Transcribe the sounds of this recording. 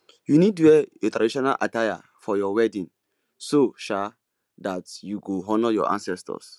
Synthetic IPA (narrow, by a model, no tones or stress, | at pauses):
junid̚tuwɛetɾadiʃɔna̰lʔa̰taja̰ | fɔjɔwɛdĩn | soʃa | datjuɡoɦɔnɔjɔ̰ʔã̰nsɛstɔ̰s